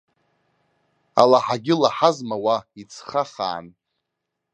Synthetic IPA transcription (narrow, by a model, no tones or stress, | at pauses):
a̰laħaɡʲɪlaħazmawait͡sʰχaχa̰ːn